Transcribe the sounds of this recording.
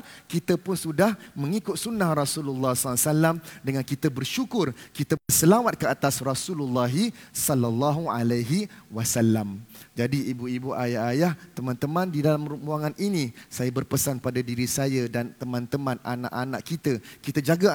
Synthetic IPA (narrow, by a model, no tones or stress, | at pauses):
kit̪əpʊnsudahmə̃ŋikʊt̪̚sunːahrɔsululːɑhsɔlsalamdəŋankit̪əbərʃukʊrkit̪əəsəlawat̪̚kəat̪asrɔsululːɑɦisɔlalːɑɦualaɦiwasalːamd͡ʒadiibuibuʔajahajaht̪əmãnt̪əmãndidalamɾumuaŋanʔinisajabərpəsanpadadiɾisajadant̪əmãnt̪əmãnanã̰ʔanaʔkit̪əkit̪əd͡ʒaɡa